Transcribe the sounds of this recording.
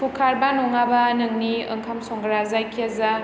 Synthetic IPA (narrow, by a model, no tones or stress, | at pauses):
pʰukʰaɾbanɔŋabanɯŋniɐ̰ŋkʰamsɔŋɡɐɾazajkʰiaza